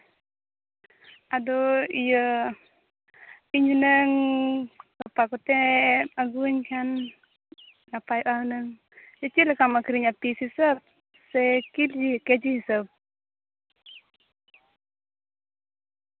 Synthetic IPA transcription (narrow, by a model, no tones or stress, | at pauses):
ʔadoijə | piɲunəŋ | kapakɔt̪ɛaɡuɲkan | napajʔaunəŋ | jət͡ʃiləkamakiɾiɲapisisəp̚ | sekild͡ʒikɛd͡ʒisəp̚